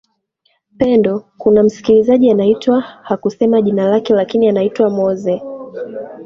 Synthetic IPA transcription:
pɛndɔkunam̩si̥kilizaʄianaitwahakusɛmaʄinalakɛlakinianaitwamɔzɛ

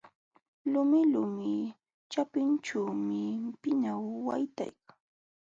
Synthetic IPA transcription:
lʊmɪlʊmɪ | t͡ʃapɪnt͡ʃuːmɪpɪnawːa̰jt̪a̰jkḁŋ

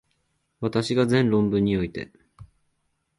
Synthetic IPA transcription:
βat̪aɕiɡazẽ̞nɾõ̞mbɯ̟̃ɲ̟ːio̞it̪e̞̰

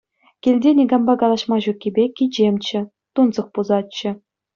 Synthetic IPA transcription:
kʲilʲdʲenʲiɡɑmbɑkɑlˠɑʂmɑʑukʲːibʲekʲid͡ʑemʲt͡ɕɘ̆ | t̪unzɤ̆χpuzɑtt͡ɕːɘ̆

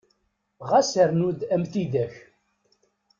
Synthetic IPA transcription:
ʁasəɾnud̪æmθid̪æç

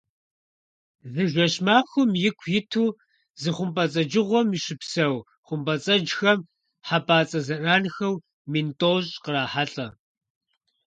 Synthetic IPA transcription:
zɨʒʷɐɕmaːxʷʊmjɪkʷʰjɪtʰuː | zɨχʷʊmpʼɐt͡sʼɐd͡ʒɪʁʷɔmiɕɪpsɐw | χʷʊmpʼɐt͡sʼɐd͡ʒxɐm | ħapaːt͡sʼɐzɐraːnxɐw | mintʼoːɕʼqəɾaːħaɬʼɐ

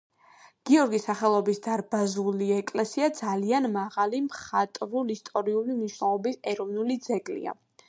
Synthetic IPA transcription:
ɡ̥iɔɾɡisːaχɛlˠɔbisd̪aɾbazuliɛkʼlɛsiad̪zalianmaʁalimχat̪ʼɾulist̪ʼɔɾiulimniʃnɛlˠɔbisɛɾɔvnulid̪zɛɡlḭa̰

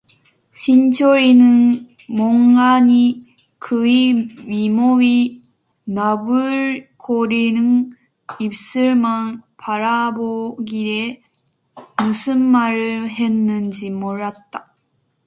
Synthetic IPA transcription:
ɕʰint͡ɕʰoɾinɯn | moŋɡaɲi | kʰɯimimoɥi | nabɯɾkʰoɾinɯn | ip̚s͈ɯɾmanpʰaɾaboɡiɾe | musʰɯmːaɾɯhe̞nːɯnd͡ʑimoɾat̚t͈ːa

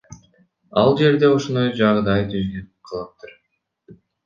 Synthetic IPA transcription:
ɑ̰lˠd͡ʒe̞ɾd̪e̞oʃond̪ojd͡ʒɑʁd̪ɑjt̪ʰyznynqʰɯlˠɯp̚t̪ʰɯɾ

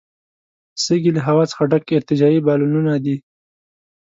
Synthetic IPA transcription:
səɡilaɦawɑt͡sə̥xaɖakɪɾt̪ɪd͡ʒɑibɑlununad̪i

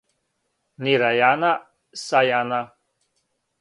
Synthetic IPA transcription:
niɾajana | sajana

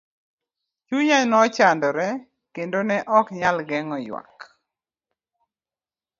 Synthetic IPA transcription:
t͡ʃuɲanɔt͡ʃandɔɾɛ | kendonɛʔɔkɲalɡɛŋɔjwa̰k

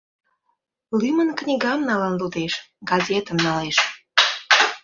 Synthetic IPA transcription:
lymənknʲiɡɑmnɑlənlud̪eʃɡɑzʲet̪əmnɑleʃ

